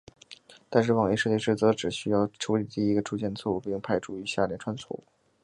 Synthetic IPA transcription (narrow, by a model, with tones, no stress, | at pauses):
t̪a˥˧nʂɻ̩˥˩wɑ˨˩ŋe˧˥ɪʂɤ˥˧t͡ɕi˥˧ʈ͡ʂɻ̩˥˩t͡sɤ˧˥ʈ͡ʂɻ̩˨˩ɕy˥jɑ˥˩ʊʈ͡ʂʰu˧˥li˨˩t̪i˥˧i˥ɡə˧ʈ͡ʂʰu˥t͡ɕjɛ˥˩nd̪ə˩t͡sʰwɔ˥˧u˧˥˩pi˥˧ŋpʰa˥˩ɪʈ͡ʂʰu˥˩y˧˥ɕja˥˩ljɛ˥nʈ͡ʂʰwa˥nt͡sʰwɔ̰˥˩u˥